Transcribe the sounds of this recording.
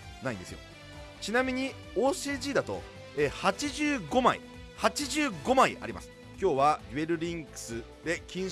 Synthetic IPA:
naĩnd̪e̞sɨjo̞̰ | t͡ɕinamʲiɲ̟i | oːseʑiːd̪at̪o̞̰ | eːhat͡ɕiʑɨːɡo̞maḭ | hat͡ɕiʑɨːɡo̞maḭa̰ɾʲima̰sɨ̥ | kʲo̞ːβaɾʲibe̞ɾɯ̟ɾʲĩŋkɯ̥sɨ | d̪e̞kʲĩɰ̃

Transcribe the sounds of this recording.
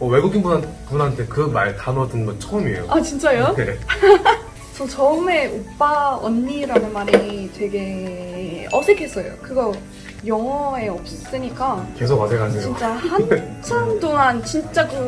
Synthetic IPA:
ʌweɡuɡinbuna | punɦantʰe̞kɯmaɭtanotuŋɡant͡ɕʰʌɯmiḛjo̰ʔat͡ɕint͡ɕ͈ajone | t͡ɕʌt͡ɕʌɯme̞up͈aʌnːiɾanɯnmanitwe̞ɡe̞ | ʌsʰekʰe̞s͈ʌjo̰kɯɡʌ | jʌŋʌe̞ʌp̚s͈ɯɲik͈ake̞sʰokasʰeɡanʰet͡ɕint͡ɕ͈ahant͡ɕʰʌnt͈oŋant͡ɕint͡ɕ͈akɯ

